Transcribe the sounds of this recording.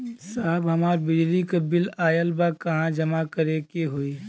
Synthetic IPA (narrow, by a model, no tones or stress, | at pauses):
saːɦbɦɐmaːɾbɪd͡ʒlikɐbɪlaːjəlbakɐɦãd͡ʒɐmakɐɾekeɦoi